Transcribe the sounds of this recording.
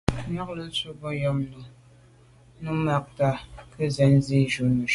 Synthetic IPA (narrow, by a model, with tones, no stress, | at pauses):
ɲa˦k̚lə˦su˦bɔ˦jɔ˦mnu˨ | nu˦ma˦k̚ta˦˨kə˦zɛ˨˦n˦zi˦˨d͡ʒu˨˦nu˨